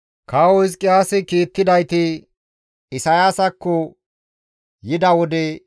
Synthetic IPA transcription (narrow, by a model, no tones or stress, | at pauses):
kawɔɪskʼːɪaːsɪkiːt̪ːɪd̪ɐjt̪ɪ | ɪsɐjaːsɐkːɔ | jɪd̪ɐwɔd̪ɛ